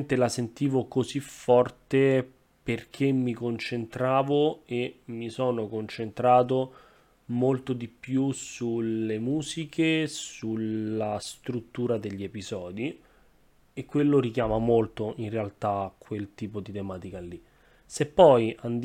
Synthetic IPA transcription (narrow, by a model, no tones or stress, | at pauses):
nt̪elasent̪iːvokozifɔrt̪e | perk̟ʰemːikont͡ʃent̪ɾaːvoemisoːnokont͡ʃent̪ɾaːt̪̬o | molt̪od̪ipjusulemuːzikʰesulast̪ɾut̪ːuːɾad̪eʎːiepizɔːd̪i | ekːwelːoɾikjaːmamolt̪oʔinrealt̪akʰwelt̪iːpod̪it̪emaːt̪ikalːi | sepːɔjand̪